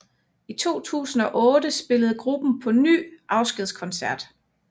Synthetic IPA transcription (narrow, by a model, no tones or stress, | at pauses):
it͡sʰo̝̰ːt͡sʰṵːsn̩ɒ̽ʔɔ̽ːdəsb̥e̝ləð̞̩ˠɡ̥ʁub̥n̩pʰɒ̽ny̰ːʔɑ̈ʊsɡ̥eðˠskʰɒ̽nsæɐd̥